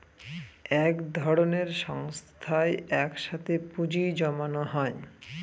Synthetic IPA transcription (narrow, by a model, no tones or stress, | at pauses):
ɛkd̪ʱɔɽoneɾʃɔŋst̪ʰaeɛkʃat̪ʰepud͡ʑid͡ʑɔmanoɦɔe